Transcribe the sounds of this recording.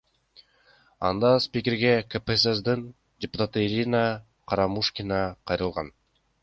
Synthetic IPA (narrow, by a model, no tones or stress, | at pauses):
ɑ̰nd̪ɑspʲikʲɪɾɡe̞kepesesd̪in | dʲɪpʊ̥t̪at̪ɯiɾʲina | qʰɑɾɑmuʃkʲinɑqʰɑjɾɯlˠʁɑn